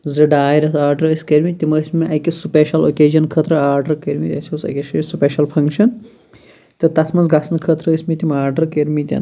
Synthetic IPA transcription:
zɨɖaːjɾɐt̪ʰaːɾɖɐɾəsʲkeɾmit̪imɐsʲmiʔɐjkisupeːʃɐlo̰ːkeːd͡ʒɐnkʰət̪ɾɐaːɾɖɐɾkeɾmit̪ʲɐsiusɐ̰kʲeʃisupeːʃɐlpʰɐŋkʃɐn | t̪ɨt̪ɐsʰmɐnzɡɐsʰɐnkʰət̪ɾɐːsmit̪ʲimaːɾɖɐɾkeɾmit̪ʲɐ̰n

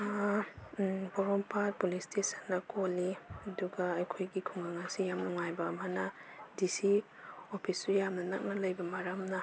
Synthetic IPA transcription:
a | boɾompat̚pulistesɐnːɐkolːiɐduɡɐːjkʰojɡikʰuŋɡaŋɐsijamnuŋajbɐːmɐnɐdisi | opʰisːujamnɐnɐk̚nɐlɐjbɐmɐɾɐmnɐ

